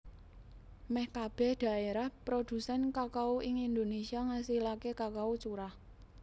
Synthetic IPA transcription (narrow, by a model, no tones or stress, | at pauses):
mɛhkab̥ɛ̤hd̪̥ä̤eɾahpɾod̪̥ṳsɛnkakauʔɪŋind̪onesiaŋasilakekakaut͡ʃuɾah